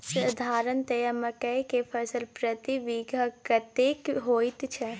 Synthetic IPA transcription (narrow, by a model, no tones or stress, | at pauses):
sɐd̪ʱaːɾənt̪ɐjəməkɐjkepʰɐsəlpɾɐt̪iʋiːɡʱəkɐt̪eːkɦoːit̪t͡ʃʰɛ